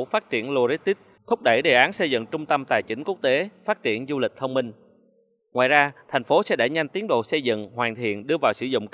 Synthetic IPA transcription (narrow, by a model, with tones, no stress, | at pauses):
faː˦˥t̚t͡ɕi˧˩ənlo˧zi˦˥t̪i˦˥t̚t̪ʰʊ˦˥k͡p̚ɗə˧˩jɗe˨˩ʔaː˨˦nsə˧jzɨ̰˧˨ŋt͡ɕʊ˧ŋ͡mt̪ə˧mt̪aː˨˩jt͡ɕï˨˦ŋ̟ku˦˥ək̚t̪e˨˦faː˦˥t̚t͡ɕi˧˩ənzu˧lï˨˩k̟̚t̪ʰə˧wŋ͡mmï˧ŋ̟ | ŋwa̰ː˧˨jzaː˧t̪ʰɛ˨˩jŋ̟fo˨˦sɛ̰˧˥ɗə˧˩ɲa˧jŋ̟t̪i˨˦əŋɗo̰˧˨sə˧jzɨ̰˧˨ŋhwaː˨˩nt̪ʰḭ˧˨ənɗɨ˧əvaː˨˩wsɨ̰˧˩zʊ̰˧˨ŋ͡m